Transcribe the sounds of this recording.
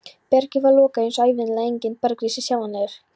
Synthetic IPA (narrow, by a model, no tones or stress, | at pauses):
pɛɾcʏvaɾlɔːkaensaːjvɪnlaejɲcɪnt̪̚paɾkɾiːsɪsjaːwanaɪɾ̥